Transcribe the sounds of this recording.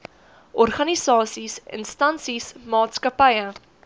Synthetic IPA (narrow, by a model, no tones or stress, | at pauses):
ʔɔrχɐnisɑːsisə̰nstɐnsismɑːtskɐpəjə